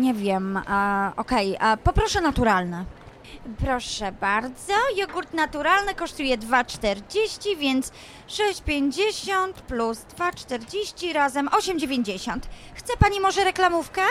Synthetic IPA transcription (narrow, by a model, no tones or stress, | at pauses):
ɲɛvʲjɛm | ɔkɛjpɔpɾɔʂɛnat̪uɾalnɛ | pɾɔʂɛbaɾd̪zɔjɔɡuɾt̪nat̪uɾalnɘkɔʂt̪ujɛd̪vat͡ʂt̪ɛɾd͡ʑeɕt͡ɕivʲjɛnt̪s | ʂɛɕt͡ɕpʲjeɲd͡ʑeɕɔnt̪pluzd̪vat͡ʂt̪ɛɾd͡ʑeɕt͡ɕiɾazɛmʔɔɕɛmd͡ʑevʲjeɲd͡ʑeɕɔnt̪xt̪sɛpaɲimɔʐɛɾɛklamufkɛ